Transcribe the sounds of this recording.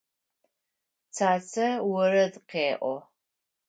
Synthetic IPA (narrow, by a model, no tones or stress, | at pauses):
t͡sʰaːt͡sʰɐwɔrɐdqeːʔʷɔ